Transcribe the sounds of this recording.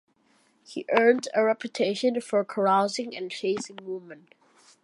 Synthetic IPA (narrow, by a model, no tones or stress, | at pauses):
hḭʔɜ˞ndəɹɛpʰjutʰeɪʃə̃nfə˞kʰəɹaʊzɪ̃ŋɨ̰̃nt͡ʃʰeɪsɪ̃ŋmuvmə̃nt